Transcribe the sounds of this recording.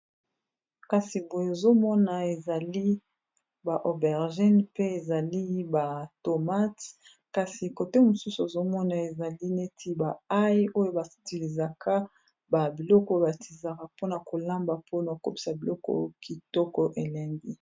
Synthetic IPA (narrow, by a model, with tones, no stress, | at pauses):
ka˨si˨bo˨jo˨zo˦mɔ˦na˨e˨za˨li˦ | ba˨ʔo˨bɛ˨ʁʒɛ˦npe˦e˨za˨li˦ba˨to˨ma˦t | ka˨si˨ko˨te˦mo˨su˦su˨e˨zo˦mɔ˦na˨e˨za˨li˦ne˦tʰi˦ba˨a˦jo˦jo˦ba˨sti˨li˨za˨ka˦ | ba˨bi˨lɔ˦kɔ˦ba˨tʰi˨za˨ka˨po˦na˨ko˨la˦mba˨pʰo˦na˨ko˦pi̥˨sa˨bi˨lɔ˦kɔ̰˦ki˨tɔ˦kɔ˨ʔe˨lɛ˨ŋɡi˦